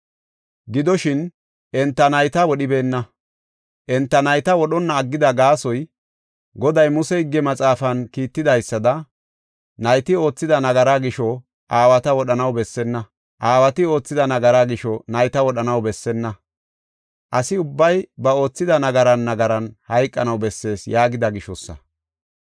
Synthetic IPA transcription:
ɡɪd̪ɔʃɪn | ʔɛnt̪ːɐnɐjt̪ɐwɔɗɪbe̞ːnːɐ | ʔɛnt̪ːɐnɐjt̪ɐwɔɗɔnːɐːɡːɪd̪ɐɡaːsɔj | ɡɔd̪ɐjmʊsɛɪɡːɛmɐt͡sʼaːfɐnkiːt̪ːɪd̪ɐjsːɐd̪ɐ | nɐjt̪ɪo̞ːt͡sːɪd̪ɐnɐɡɐɾaɡɪʃɔ | ʔaːwɐt̪ɐwɔɗɐnɐwbɛsːɛnːɐ | ʔaːwɐt̪ɪo̞ːt͡sːɪd̪ɐnɐɡɐɾaɡɪʃɔnɐjt̪ɐwɔɗɐnɐwbɛsːɛnːɐ | ʔɐsɪʊbːɐjbɐo̞ːt͡sːɪd̪ɐnɐɡɐɾɐnːɐɡɐɾɐnhɐjkʼːɐnɐwbɛsːe̞ːsjaːɡɪd̪ɐɡɪʃɔsːɐ̰

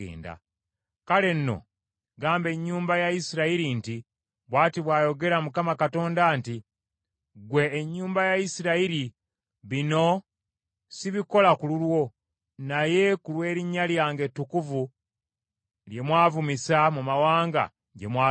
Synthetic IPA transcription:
ḛːnda̰ | kale̞nːo̞̰ | ɡaːmbe̞ɲːuːmbajaisiɾaiɾinti | βwaːtiβwaːjo̞ɡe̞ɾamukamakato̞ːndaːnti | ɡwe̞ːɲːuːmbajaisiɾaiɾi | βino̞ | siβiko̞lakululwo̞ | naje̞kulwe̞ːɾiɲːaljaːŋɡe̞tːukuvu | lje̞mwaːvumisamumawaːŋɡa̰ | ɟemwaː

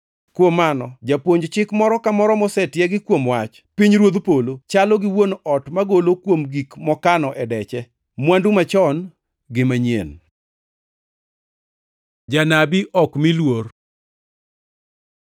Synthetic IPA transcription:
kwomanɔd͡ʒapwoɲd͡ʒt͡ʃɪkmɔɾɔkamɔɾɔmɔsɛtjɛɡɪkwomwat͡ʃ | piɲɾwod̪polot͡ʃalɔɡɪwonɔtmaɡolokwomɡikmɔkanɔʔɛdɛt͡ʃɛ | mwandumat͡ʃɔn | ɡɪmaɲjḛn | d͡ʒanabiʔɔkmilwor

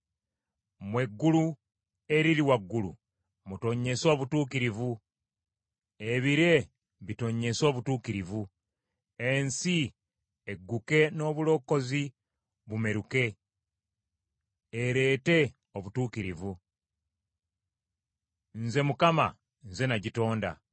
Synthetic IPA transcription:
mwe̞ɡːulu | e̞ɾiliwaɡːulṵ | muto̞ɲe̞so̞ːβutuːkiɾivu | eβiɾe̞ | βito̞ɲe̞so̞ːβutuːkiɾivu | ensi | eɡːuke̞no̞ːβulo̞kːo̞zi | βume̞ɾuke̞ | eɾeːte̞ | oβutuːkiɾivu | nze̞mukama̰ | nze̞naɟito̞ːnda̰

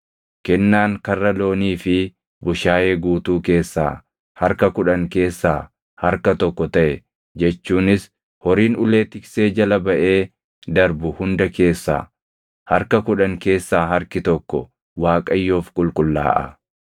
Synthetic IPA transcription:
kɛnːaːŋkɐrːɐlo̞ːniːfɪ | bʊʃaːjeːɡuːt̪uːke̞ːsːa̰ː | hɐɾkɐkʊᶑɐŋke̞ːsːa̰ː | hɐɾkɐt̪ɔkːɔt̪ɐʔɛ | d͡ʒɛt͡ʃːuːnɪs | hɔɾiːnʊle̞ːt̪ɪkseːd͡ʒɐlɐbɐʔe̞ː | d̪ɐɾbʊhʊnd̪ɐke̞ːsːa̰ː | hɐɾkɐkʊᶑɐŋke̞ːsːaːɦɐɾkɪt̪ɔkːɔ̰ | waːkʼɐjːoːfkʼʊlkʼʊlːa̰ːʔɐ̰

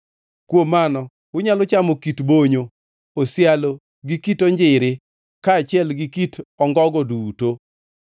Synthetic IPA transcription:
kwomanɔ | wʊɲalʊt͡ʃamokitboɲo | osɪjalo | ɡikitɔɲd͡ʒɪɾɪ | kaːt͡ʃɪɛlɡikitʰɔŋɡɔɡɔduto

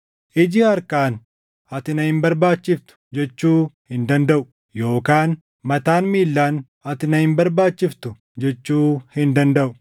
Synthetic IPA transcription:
ʔɪd͡ʒɪɐɾkaːn | ɐt̪ɪnɐhɪmbɐɾbaːt͡ʃːɪft̪ʊ̥d͡ʒɛt͡ʃːuːhɪnd̪ɐnd̪ɐʔʊ | jo̞ːkaːn | mɐt̪aːnmiːlːaːn | ɐt̪ɪnɐhɪmbɐɾbaːt͡ʃːɪft̪ʊ | d͡ʒɛt͡ʃːuːhɪnd̪ɐnd̪ɐʔʊ̥

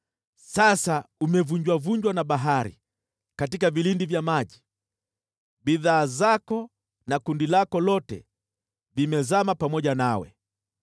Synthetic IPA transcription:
sasaumɛvuɲd͡ʒwavuɲd͡ʒwanaɓaɦaɾḭ | katikavilindivjamaʄi | ɓiðaːzakɔ | nakundilakɔlɔtɛ̰ | vimɛzamapamɔʄanawɛ̰

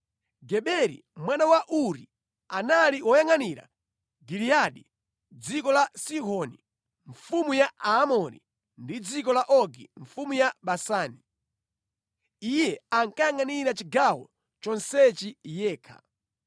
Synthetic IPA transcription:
ɡɛɓɛɾḭmwanawaʔuɾi | analiwɔjaŋaniɾa̰ | ɡiɾijaɗi | d͡zikɔlasiɦɔni | ɱfumujaaːmɔɾḭ | ndid͡zikɔlaʔɔɡḭɱfumujaɓasaːni | ijɛaŋkajaŋaniɾat͡ʃiɡawɔ | t͡ʃɔnsɛt͡ʃijɛːkʰa̰

